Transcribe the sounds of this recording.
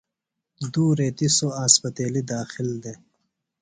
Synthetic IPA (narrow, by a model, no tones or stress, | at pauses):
d̪uːɾeːt̪isoaːspɐt̪eːlid̪aːxild̪e